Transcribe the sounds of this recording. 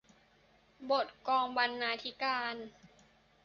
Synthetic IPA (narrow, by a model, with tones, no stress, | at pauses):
bo˨˩t̪̚kɔː˧ŋba˧nːaː˧t̪ʰi˦˥kaː˧n